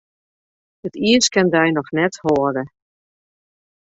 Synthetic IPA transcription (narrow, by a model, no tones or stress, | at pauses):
ətiəskɛndɛjnɔxnɛthoːədə